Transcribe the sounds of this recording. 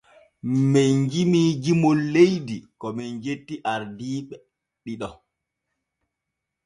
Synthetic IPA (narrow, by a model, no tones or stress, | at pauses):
mɛjɲd͡ʒimiːd͡ʒimolːejdikɔmɛnd͡ʒetːiʔaɾdiːɓɛ | ɗiɗɔ